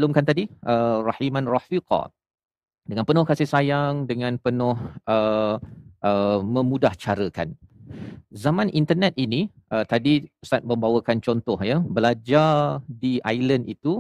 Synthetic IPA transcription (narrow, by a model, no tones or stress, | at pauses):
lumkant̪adiʔərɑhimãnrɑfiqɑ̰ | dəŋãnpənʊhkasɪhsajaŋdəŋãnpənʊhə | ʔəmə̃mudaht͡ʃaɾəka̰n | zamãnʔint̪ənɛt̪̚ini | ʔət̪adisat̪̚mə̃mbawəkant͡ʃɔnt̪ɔhjəbəlad͡ʒardiʔajlənḭt̪u